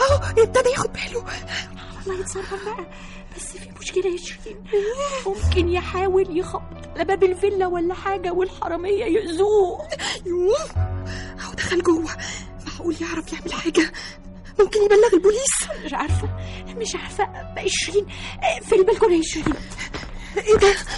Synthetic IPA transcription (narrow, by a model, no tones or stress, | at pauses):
ʔæwʔet̪æb̪æjæːxod̪̚bæːlo | ɑwɑlˤːɑːjet̪sˤɑrˤːɑnbaʔæ | b̥æsːfiːmoʃkelæjeʃɾiːnmomkenjeħaːweljexɑb̪ːˤ | lːæbæbelvelːæwælːæħaːɡæwelħɑɾˤɑmejːæjeʔzuːjuːm | ʔæwd̪æxælɡowːæ | mæħæʔuːljeʕɾˤɑfjeʕmelħaːɡæ | momkenjebælːæɣelboliːsmeʃʕɑɾˤfo | meʃʕaɾˤfæʔbæʔeʃɾiːnfilbælkolæjeʃɾiːn | ʔed̪æ